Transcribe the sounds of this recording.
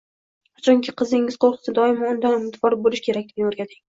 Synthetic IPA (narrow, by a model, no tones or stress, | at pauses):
at͡ʃʰɒŋʲkʲʰɪqʰɨzɪŋːɪz̥qoɾˠqʰɨ̥sɪd̪ɒɪmɒʊnd̪anʊmɪd̪bɒɾbolɪʃkʲʰe̞ɾakʲd̪ɪɡʲoɾɡʲad̪ɪŋ